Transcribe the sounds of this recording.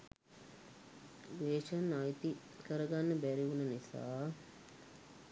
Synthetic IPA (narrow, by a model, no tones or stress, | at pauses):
ɡʋeːʃɐnːajt̪i | kəɾɐɡanːəbæɾiunɐnisa̰ː